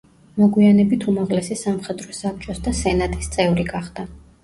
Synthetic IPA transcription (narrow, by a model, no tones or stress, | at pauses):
mɔɡwianɛbit̪ʰumaʁlɛsisamχɛd̪ɾɔsap̚t͡ʃʼɔsd̪asɛnat̪ʼist̪sʼɛvɾiɡaχd̪̥a